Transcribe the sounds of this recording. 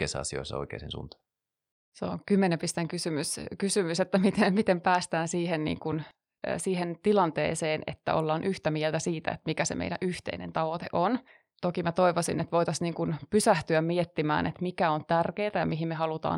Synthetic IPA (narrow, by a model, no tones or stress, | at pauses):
eisːɑɑ̰sio̰isːɑ̰o̰ikḛːsḭnsṵnt̪ɑ̥ | seo̰ŋkymːenempist̪eŋkysymyskysymyset̪ːæmit̪emit̪empæːst̪æːnsiːɦennḭːŋkun̰ː | siːɦent̪ilɑnt̪ḛːseːnʔḛt̪ːæ̰o̰lːɑːnʔyht̪æmielt̪æsiːt̪æ̰ḛt̪mikæsḛmḛiɾæ̰ʔyht̪ḛinent̪ɑʋot̪ḛʔon | t̪okimæt̪oiʋosinet̪ʋoit̪ɑsniːŋkunpysæht̪yæmmiet̪ːimæ̰ːnʔḛt̪mikæont̪ærkeːt̪æjɑmiɦimmehɑlut̪ɑ̰ː